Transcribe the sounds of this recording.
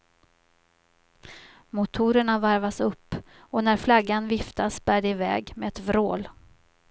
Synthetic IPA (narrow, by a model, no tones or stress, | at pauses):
mʊt̪ʰuːɾəɳavaɾvasɵpː | ɔnæɾflaɡːanvɪft̪asbæːɖɛɪvɛ̰ːɡmɛɛt̪vɾoːl